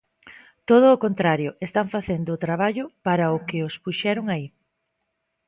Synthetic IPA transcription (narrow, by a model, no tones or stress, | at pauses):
t̪oð̞ʊːkont̪ɾaɾjʊest̪aɱfaθend̪ʊːt̪ɾaβ̞aʎʊpaɾɐʊkɪʊspuʃɛɾʊŋai